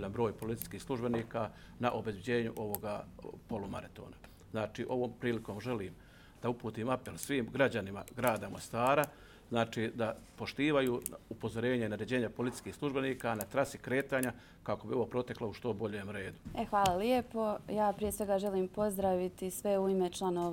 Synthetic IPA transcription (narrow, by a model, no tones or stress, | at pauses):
ʎanbɾo̞ːjpo̞lit̪i̥skiːxslˠuʒbe̞niːkanaʔo̞bezbʲjed͡ʑe̞ːɲṵʔo̞ʋo̞ɡapo̞luma̰ɾat̪oːna | znaːt͡ʃiːʔo̞ʋo̞ːmpɾiːliko̞ːmʒe̞liːm | d̪aupuːt̪iːmape̞lsʋiːmɡɾad͡ʑanima̰ɡɾaːd̪amo̞̰st̪aːɾa | znaːt͡ʃiːd̪apo̞ʃt̪iːʋajuːupo̞zo̞ɾe̞ːɲainaɾed͡ʑeːɲapo̞lit̪i̥sʲkiːhslˠuʒbe̞niːkanat̪ɾasikɾe̞ːt̪aːɲa | kako̞bioʋo̞pɾo̞t̪e̞klauʃt̪o̞bo̞ʎeːmɾe̞ːd̪uexʋaːlˠaljepo̞jaːpɾijesʋe̞ɡaːʒeliːmpo̞zd̪ɾaʋit̪isʋeuimet͡ʃlˠanoː